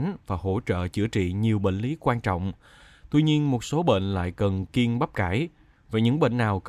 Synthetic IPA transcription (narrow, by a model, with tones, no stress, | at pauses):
nvaː˨˩ɦo̰˧˥t͡ɕə̰ː˧˨t͡ɕɨ˧˩ət͡ɕḭ˧˨ɲi˨˩əwɓḛ˧˨ŋli˨˦kwaː˧nt͡ɕɔ̰˧˨wŋ͡m | t̪wi˧ɲi˧ənmo˨˩t̚so˨˦ɓḛ˧˨nla̰ː˧˨jkə˨˩nki˧ənɓa˦˥p̚kaː˧˩j | vaː˨˩ɲɨ̰˧˥ŋɓḛ˧˨ŋːaː˨˩wk